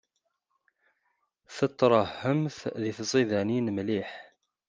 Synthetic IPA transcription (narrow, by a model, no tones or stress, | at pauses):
θət̪ːɾˤɑhːəmθðiθsˤiðæninmliħ